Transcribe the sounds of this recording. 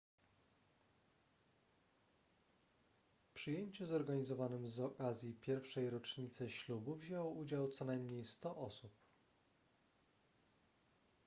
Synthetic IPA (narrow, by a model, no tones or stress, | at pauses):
pʂɘjeɲt͡ɕuzɔɾɡaɲizɔvanɘmzɔkazʲjipʲjɛɾfʂɛjɾɔt͡ʂɲit̪sɘɕlubuvʑɛwɔʔud͡ʑawt̪sɔnajmɲejst̪ɔʔɔsup